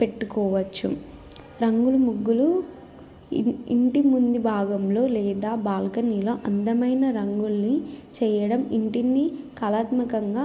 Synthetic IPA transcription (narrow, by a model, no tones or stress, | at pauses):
pe̞ʈːukɔːʋɐt͡ʃːṵ | ɾɐŋɡulumuɡːulu | ḭɳʈimund̪ibʱaːɡɐmlo̞ːlɛːd̪aːbaːlkɐniːlo̞ːʔɐnd̪ɐmɐjnɐɾɐŋɡulnit͡ʃɛːjɐɽɐmiɳʈinːikɐlaːt̪mɐkɐŋɡaː